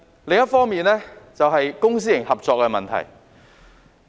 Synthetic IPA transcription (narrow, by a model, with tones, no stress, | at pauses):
le˨ŋjɐ˥tfɔː˥ŋmiː˨˧nlɛː˥t͡sɐ˨wɦɐ˨jkʊ˥ŋs̬iː˥jɪ˨˩ŋhɐ˨p̚t͡sɔː˧kːɛ˧mɐ˨nt̪ʰɐ̰˨˩j